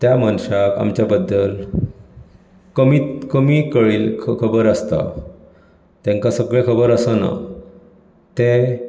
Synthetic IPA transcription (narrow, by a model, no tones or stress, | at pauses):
t̪jamanɕaka̰mt͡ɕjabəd̪ːəl | kəmit̪kəmikəɭiːlkʰkʰəbəɾəst̪a̰ | t̪ɛ̃ŋkasəɡɭekʰəbəɾəsəna̰ | t̪e